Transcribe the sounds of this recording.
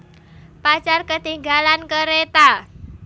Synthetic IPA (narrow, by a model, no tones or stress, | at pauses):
pat͡ʃarkət̪iŋɡalankəɾet̪a